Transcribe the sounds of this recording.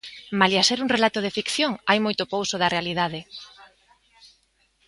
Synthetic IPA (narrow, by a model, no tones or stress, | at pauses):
maljaseɾuŋrelat̪oð̞efikθjoŋajmojt̪opowsoðɐrealiðaðɪ